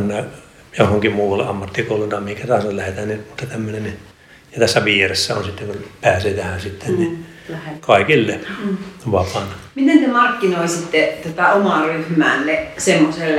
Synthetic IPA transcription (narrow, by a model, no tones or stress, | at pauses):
nːæ | johoŋkimuːʋɑlːeɑmːɑt̪ːikoulunt̪ɑemihiŋkæt̪ɑhɑsɑllæhet̪æːnnimut̪ːɑt̪æmːønenni | jɑt̪æsːæʋieresːæo̰nsit̪ːeŋkunpæːseːt̪æhænsit̪ːenni | ekɑˑikilːe | ʋɑpɑnmit̪ensemɑrkːinoisit̪ːet̪ot̪æomɑryhmæːnːesemːoselː